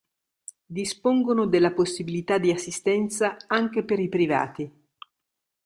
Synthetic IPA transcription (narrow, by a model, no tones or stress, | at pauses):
d̪ispoŋɡonod̪elːaposːibilit̪ad̪ːiasːist̪ɛnt̪saaŋk̟epeɾipɾiva̰ːt̪i